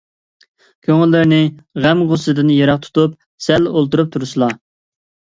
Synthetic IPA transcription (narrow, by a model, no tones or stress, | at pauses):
kʲʰøŋɪlːɪɾnɪʁæmʁʊsɨd̪ɨnjeɾɑq̚t̪ʰu̥t̪up | sɛlolˠt̪uɾup̚t̪ʰuɾusɨlˠɑ